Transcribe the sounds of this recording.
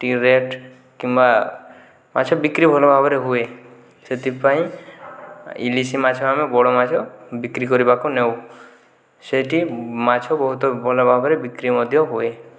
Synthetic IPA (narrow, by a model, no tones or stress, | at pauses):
ʈiɾeʈ | kimba | mat͡ʃʰɔbikɾibʱɔlɔbʱabɔɾeɦue | set̪ipaĩ | ḭlisimat͡ʃʰɔamebɔɽɔmat͡ʃʰɔbikɾikɔɾibakunew | seʈimat͡ʃʰɔbɔɦut̪ɔbʱɔlɔbʱabɔɾebikɾimɔd̪ʱjɔɦoe